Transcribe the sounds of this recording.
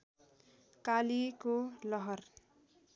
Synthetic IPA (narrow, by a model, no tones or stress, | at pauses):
kalikolʌɦʌr